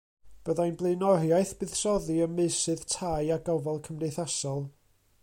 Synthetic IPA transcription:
b̥əðajnblˠeɨnɔrjajθb̥ɨð̥sɔðiəmːɨsɨðtʰajaɡɔvɔlˠkʰəmnejθasɔlˠ

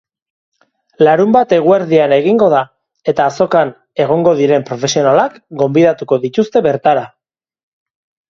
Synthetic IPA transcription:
laɾumbat̪e̞ɣueɾðiane̞ɣ̞iŋɡo̞ða | e̞t̪aːso̞kan | e̞ɣ̞o̞ŋɡo̞ðiɾe̞mpɾo̞fe̞sio̞nalakɡo̞mbiðat̪uko̞ðit̪ust̪e̞βe̞ɾt̪aɾa

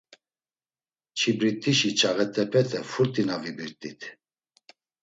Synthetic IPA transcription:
t͡ʃʰibɾit̪ʼiʃit͡ʃʰʼaɣɛt̪ʰʼɛpʰɛt̪ʰɛfuɾt̪ʼinavibiɾt̪ʼit̪ʰ

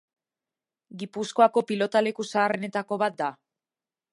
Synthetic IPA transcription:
ɡipusko̞ako̞pilo̞t̪ale̞kusaːre̞ne̞t̪ako̞βat̪̚d̪a

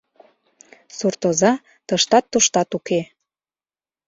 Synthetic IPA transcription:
surt̪ozɑ | t̪ɤʃt̪ɑt̪ːoʃt̪ɑt̪uke

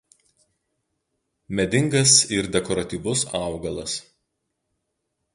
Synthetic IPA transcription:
mʲɛd̪ʲɪŋɡɐsɪɾd̪ʲɛkɔɾɐt̪ʲiːʋʊsɑˑʊɡɐlˠɐs

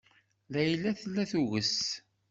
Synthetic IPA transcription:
læjlæθlːæθuɣəs

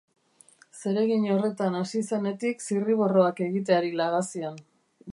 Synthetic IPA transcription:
se̞ɾe̞ɣiɲo̞re̞t̪anasise̞ne̞t̪iksiriβ̞o̞ro̞ake̞ɣit̪̬eaɾilaɣasian

